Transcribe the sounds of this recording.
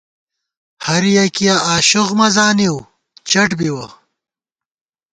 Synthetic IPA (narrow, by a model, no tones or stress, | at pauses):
hɐɾijɐkijaʔaːɕuɣmɐzaːniw | t͡ɕɐʈbiwɐ